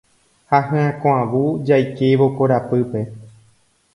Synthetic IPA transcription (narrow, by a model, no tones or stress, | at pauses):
haɦɨ̃ãkõãʋud͡ʒajkeʋokoɾapɨpe̞